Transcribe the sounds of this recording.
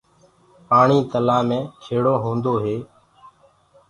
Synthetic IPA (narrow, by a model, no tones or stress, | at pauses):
paːɳiːt̪əlaːmẽːt͡ʃʰeːɽoːɦõːnd̪oːɦeː